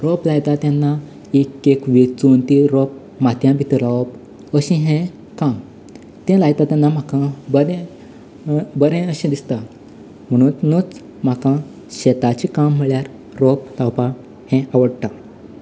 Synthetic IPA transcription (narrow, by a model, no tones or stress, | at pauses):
ɾoplajt̪at̪janːa | ekːekʋet͡sunt̪iɾop̚ | mat̪jãbʱit̪əɾlap | əɕĩɦɛ̃ | kam | t̪ɛ̃lajt̪at̪ãnːam̤akãbəɾɛ̃ | bəɾẽəɕĩd̪ist̪a | m̤əɽ̃ũːnnut͡s | m̤akã | ɕɛt̪at͡ɕikam̤ːəɭjaɾ | ɾop̚t̪awpã | hɛ̃ʔaʋəɽt̪a